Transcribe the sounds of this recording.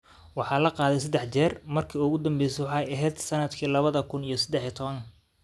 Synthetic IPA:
wɑħɑːlɐqɑːðɛjs̬ɐd̪ɛħt͡ʃɛːrmɐrkʰiːʊɣʊd̪ɐmbɛjsɛwħɑjɐɦɛːd̪sɐnɐd̪kʰiːlɐβɐðɐkʰʊnijɞsɐd̪ɛħit̪ʰɔβɐŋkʰ

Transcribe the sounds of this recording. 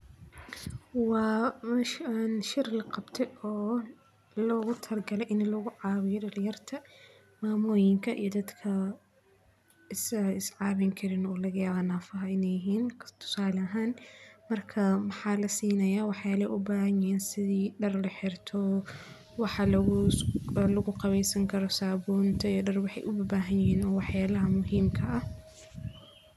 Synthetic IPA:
wɑːʃɛnʃɪrlɐqɑbt̪ʰɛjɔː | lɔːɣʊt̪ʰɐrɡɐlɛjʔɪnlɔɣʊʕɑːwɪjɔdɐljɐrt̪ʰɐ | maːmɔːjɪŋkʰɐʔḭjɔd̪ɐd̪kʰɐ | ɪsɐɪsʕɑːβɪŋkʰɐɾɪnɔːlɐɣɐjaːβanaːfɐɦɐɪnɛjɪɦiːnkʰt̪ʰʊ̥saːlɐɐɦaːnmɐrkʰɐmɑħɑːlɐsiːnɐjaːwɑħjaːlɐ̰ʔʊbaːɦɐɲɪjɛːnsɪðiːɖɐrlɐħɪrt̪ʰɔ | wɑħɑl | lɐɣʊqɑβɛjsɐŋkʰɐɾɔsaːbɔːnt̪ʰɐijɖɐrwɑħɑ̰jʔʊbɐbaːɦɐnjɪhiːnɔːwɑħjaːlɐɦɐmʊɦiːmkʰɐʔɐh

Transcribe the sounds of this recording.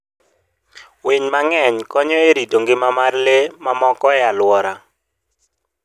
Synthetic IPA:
weɲmaŋɛɲkɔɲɔeɾitoŋɡɪmamarlemamɔkɔjalwɔɾa

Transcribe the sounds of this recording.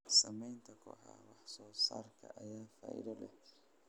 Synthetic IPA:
sɐmɛjnt̪ʰɐkʰɔ̰ːħɑ̰wɑħsɔːsa̰ːrkʰɐ̰ʔɐjaːfa̰ːʔɪ̰ðɔlɛ

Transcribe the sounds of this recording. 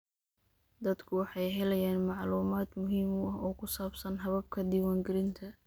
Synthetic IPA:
d̪ɐd̪kʰʊwɑħɑjɦɛlɛjaːnmɑʕluːmaːd̪mʊɦiːmʊɐɦɔːkʰʊsaːbsɐnɦɐβɐb̚kʰɐd̪iːwaːŋɡɪɾɪnt̪ʰɐ

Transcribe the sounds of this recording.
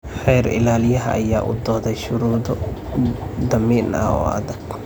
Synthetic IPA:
ħɛjɾɪ̰laːlɪjɐɦɐ̰ʔːjaːʔʊ̰d̪ɔːðɛjʃʊɾuːd̪ɔ | d̪ɐmiːnɐ̰ɔ̰ːɐ̰ðɐɡ

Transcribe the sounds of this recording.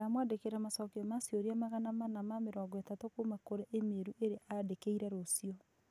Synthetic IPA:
amwandekeɾamasɔkeɔmasjoɾiamaɣanamanamameɾɔɡetatokumakoɾeʔemeɾuʔeɾeadekeiɾɛɾosijɔ

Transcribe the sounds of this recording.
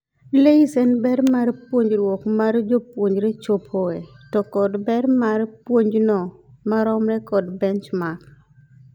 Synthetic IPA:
leisɛnbɛɾmarpwoɲd͡ʒɾwɔkmard͡ʒopwoɲd͡ʒɾet͡ʃopʰoɛtɔkɔdbɛɾmarpwoɲd͡ʒnɔmaɾɔmɾɛkɔdbɛnt͡ʃmak

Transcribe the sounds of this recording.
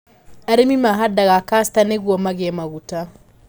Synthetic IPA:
aɾemimaɦadaɣakastaneɣwɔmaɣɛmaɣuta

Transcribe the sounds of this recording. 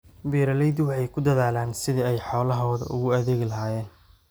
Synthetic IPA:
biːɾɐlɛjd̪wɑħɑjkʰʊd̪ɐðaːlaːnsɪðɐɛjħɔːlɐɦɔːðɐ̰ʔʊ̰ɣʊɐðeːɣɪlɐɦaːjɛːn

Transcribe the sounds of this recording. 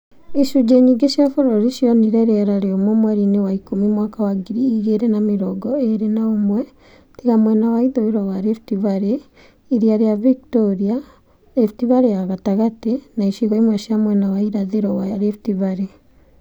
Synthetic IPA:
iʃuɟeɲiɡeʃjafoɾoɾiʃioniɾeɾeɾaɾeomomwɛɾinewaikumimwaːkawaɡiɾiːɣeɾenamiɾɔɡɔeɾenaomwɛ | tiɣamwɛnawaiðoiɾawaɾefi̥tiβaɾe | iɾiaɾeaviktoɾia | efitiβaɾejaɣataɣatenaiʃiɣoimwɛʃjamwɛnawaiɾaðiɾowaɾefitiβaɾe

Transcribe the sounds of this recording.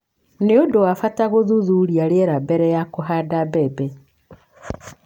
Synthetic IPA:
neodowafataɣoðuðuːɾiaɾeɛɾabɛɾɛjakoɦadabɛbɛ

